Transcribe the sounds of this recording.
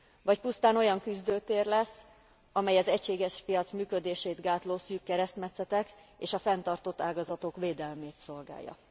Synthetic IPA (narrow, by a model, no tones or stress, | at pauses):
vɒcpust̪aːno̞jɒŋkyzd̪øːt̪eːrlɛsː | ɒmɛjɒzɛcʃeːɡɛʃpijɒt̪smyːkød̪eːʃeːt̪ɡaːt̪loːsyːkːɛɾɛst̪mɛt̪sɛt̪ɛkeːʃɒfɛnt̪ɒrt̪o̞t̪ːaːɡɒzɒt̪o̞kveːd̪ɛlmeːt̪so̞lɡa̰ːjːɒ̰